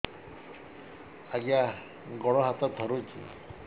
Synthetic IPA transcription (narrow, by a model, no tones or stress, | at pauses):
aɡja | ɡɔɭɔɦat̪ɔd̪ʱɔɾut͡ʃʰḭ